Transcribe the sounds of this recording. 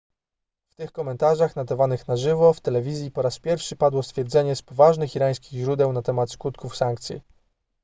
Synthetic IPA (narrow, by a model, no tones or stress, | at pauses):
ft̪ɘxkɔmɛnt̪aʐaxnad̪avanɘxnaʐɘvɔft̪ɛlɛvʲizʲjipɔɾaspʲjɛɾfʂɘpad̪wɔst̪fʲjɛɾd̪zɛɲɛspɔvaʐnɘxiɾaj̃skʲiɣʑɾud̪ɛwnat̪ɛmat̪skut̪kufsaŋk̚t̪sʲjḭ